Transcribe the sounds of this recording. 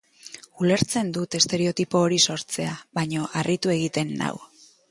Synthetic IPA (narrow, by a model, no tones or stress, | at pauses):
ule̞ɾt͡se̞nd̪ut̪e̞st̪e̞ɾe̞o̞t̪ipo̞ːɾiso̞ɾt͡se̞aβaɲo̞ʔarit̪ue̞ɣ̞it̪e̞nːa̰w